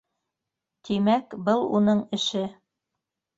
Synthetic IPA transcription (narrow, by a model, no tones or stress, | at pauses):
t̪imækbɤlˠṵnɤɴɘ̆ʃɘ